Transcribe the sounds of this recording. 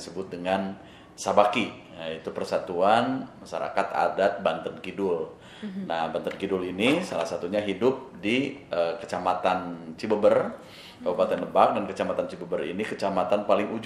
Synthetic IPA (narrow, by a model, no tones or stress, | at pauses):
səbʊt̪̚dəŋan | sabaki | jait̪upərsat̪uanmaʃa̰ɾa̰kat̪a̰dat̪̚bant̪ənkidʊl | nahbant̪ənɡidʊlinisalahsat̪uɲaɦidʊp̚diʔəkət͡ʃamat̪ant͡ʃibəbər | kəbupat̪ɛnləbak̚dankət͡ʃamat̪ant͡ʃibəbərḭnikət͡ʃamat̪anpalɪŋud͡ʒ